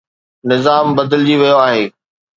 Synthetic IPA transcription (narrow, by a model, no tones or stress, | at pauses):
nɪzaːmbɐd̪əld͡ʑiʋijoaːɦeː